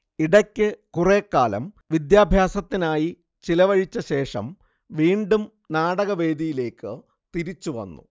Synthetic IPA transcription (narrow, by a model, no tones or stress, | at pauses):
iɽɐkʲːɨkureːkːaːlɐ̰m | ʋid̪jaːbʱjaːsɐt̪ːinaːji | t͡ɕilɐʋɐɻit͡ɕːɐɕe̞ːʂɐ̰m | ʋiːɳɖum | naːɽɐɣɐʋe̞ːd̪ijile̞ːkːɨ | t̪iɾit͡ɕːuʋɐ̰nːṵ